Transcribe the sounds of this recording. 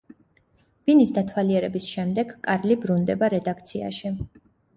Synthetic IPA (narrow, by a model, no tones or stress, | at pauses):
v̥inisd̪at̪ʰwaliɛɾɛbisʃɛmd̪ɛɡkʼaɾlibɾund̪ɛbaɾɛd̪ak̚ʰt̪sʰia̰ʃi